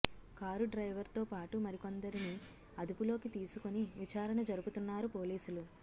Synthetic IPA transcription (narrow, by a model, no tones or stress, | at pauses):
kaːɾuɖɾɐjʋɐɾt̪o̞ːpaːʈumɐɾiko̞nd̪ɐɾini | ɐd̪upulo̞ːkit̪iːsukoniʋit͡ʃaːɾɐɳɐd͡ʒɐɾubut̪unːaːɾupo̞ːliːsulu